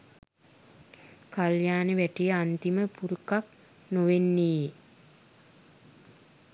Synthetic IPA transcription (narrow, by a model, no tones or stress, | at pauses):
kaljaːnəʋæʈijəant̪iməpuɾukak̚ | noʋenːiː